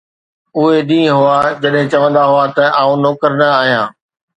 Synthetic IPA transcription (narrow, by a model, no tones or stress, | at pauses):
ʊɦeɗĩːɦʊad͡ʑɐɗɦɪ̃t͡ɕɐʋə̃nd̪aɦʊat̪ɐʔaːũnoːkəɾnɐaːɦijãː